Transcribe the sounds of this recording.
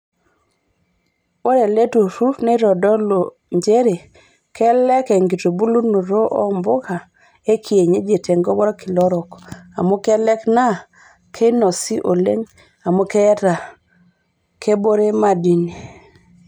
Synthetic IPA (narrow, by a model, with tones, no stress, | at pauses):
wo˦ɾe˨le˦tu˨ɾu˦fne˦ɾɔ˨dɔ˦lo˨ | ɲd͡ʒe˦ɾe˨ | kʰɛ˦lɛ˦kɛ˨ŋɡi˨to˨bu˦lu˦nu˨ɾo˦ʔɔ˦mbo˦ka˨ | e˦kʰi˨e˨ɲe˦d͡ʒe˨te˨ŋɡɔ˦bɔ˦ɾɔ˦ki˨lɔ˦ɾɔ˨ka˨mo˦kɛ˦lɛ˦kna˦ | kʰe˦nɔ˨si˦ʔo˨lḛ˦ɲ | a˨mo˦kɛ˦ta˨ | kʰe˦bo˦ɾe˦ma˦di˨ni˨